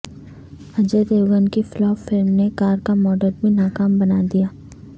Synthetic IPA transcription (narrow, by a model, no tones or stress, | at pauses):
ɐd͡ʒəd̪eːɡənkiflɔːʋfɪlmnekaːɾkamɔːɖəɾbʱinaːkaːmbɐnaːd̪ijaː